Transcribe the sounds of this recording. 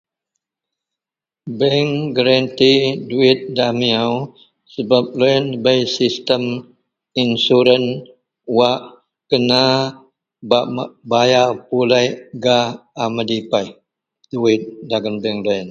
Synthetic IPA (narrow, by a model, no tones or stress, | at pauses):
bɛŋɡəɾant̪iduɪt̪̚damiaw | səbap̚lojənbajsist̪əm | insuɾən | waʔ | kəna | babajapulajɡaːmədipaj | d̥uɪt̪̚daɡənbɛŋlajən